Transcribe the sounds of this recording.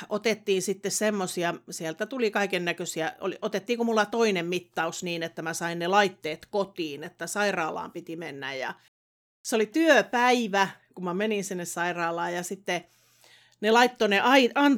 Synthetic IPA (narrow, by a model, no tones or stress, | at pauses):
ʔot̪et̪ːiːnsit̪ːessemːosiɑsielt̪æt̪ulikɑikennækøsiæo̰liʔot̪et̪ːiːŋkumulːɑt̪oinemmit̪ːɑusniːnet̪ːæmæsɑinnelɑit̪ːeːt̪kot̪iːnet̪ːæsɑirɑːlɑ̰ːmpit̪imenːæ̰jjɑ̰ | seolit̪yøpæiʋækumæmeninsinːessɑirɑːlɑːjɑsit̪ːe | nelɑit̪ːoneʔɑiʔɑn